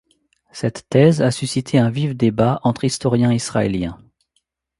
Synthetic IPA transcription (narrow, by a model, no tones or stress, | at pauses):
sɛt̪ːɛzasysit̪ʰeɛ̃vifd̪ebaɑ̃t̪χist̪ɔʁjɛ̃isχaeljɛ̃